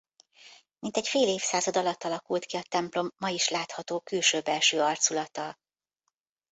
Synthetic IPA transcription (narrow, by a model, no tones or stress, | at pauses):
mint̪ɛcfeːleːfsaːzɒd̪ɒlɒt̪ːɒlɒkult̪kiɒt̪ɛmplo̞mːɒiʃlaːt̪hɒt̪oːkylʃøːbːɛlʃøːɒrt̪sulɒt̪ɒl